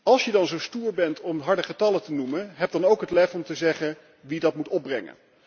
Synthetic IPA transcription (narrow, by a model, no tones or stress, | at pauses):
ɑlˠsjədɑnzowstuːɹbɛntʰɔmɦɑɹdəχətɑlətənuməɦɛb̚dɑnowkɦətlɛfɔmtəzɛχən | ʋidɑtmutɔb̚brɛŋə̰n